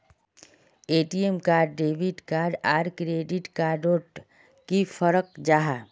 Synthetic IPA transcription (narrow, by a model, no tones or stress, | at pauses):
eːʈiemkaːɾɖːeːbiɖkaːɾɖaːɾkɾeːɖɪʈkaːɖoːʈ | kifʰəɾək̚d͡ʒaːɦa